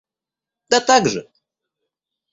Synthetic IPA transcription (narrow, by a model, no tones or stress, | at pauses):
d̪̥at̪aɡʐɨ̰